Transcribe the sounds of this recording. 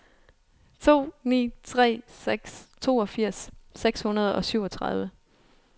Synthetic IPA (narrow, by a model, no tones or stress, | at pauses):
t͡sʰo̝̰ːnḭːt͡sʰʁɛ̰ːseɡ̥st͡sʰo̝̰ːɒ̽fiɐ̰sːeɡ̥shunɐð̞ˠɒ̽syʊ̰ɒ̽t͡sʰʁɑ̈ð̞ˠʋə